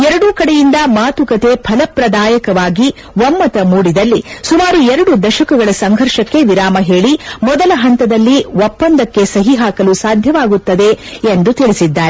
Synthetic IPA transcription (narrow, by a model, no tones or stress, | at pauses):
ɛɾɐɽukɐɽejind̪ɐmaːt̪ukɐt̪e̞pʰɐlɐpɾɐd̪aːjɐkɐʋaːɡi | ʋɐmːɐt̪ɐmuːɽid̪ɐlːisumaːɾuɛɾɐɽud̪ɐʃɐkɐɡɐɭɐsɐŋɡʱɐɾʂɐkːe̞ʋiɾaːmɐɦe̞ːɭimɔd̪ɐlɐɦɐnt̪ɐd̪ɐlːiʋɔpːɐnd̪ɐkːe̞sɐɦiɦaːkɐlusaːd̪ʱjɐʋaːɡut̪ːɐd̪e̞end̪ut̪iɭisid̪ːaːɾe